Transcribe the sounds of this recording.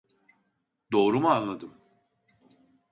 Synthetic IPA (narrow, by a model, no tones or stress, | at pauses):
d̪o̞ːɾumuanlˠad̪ɯm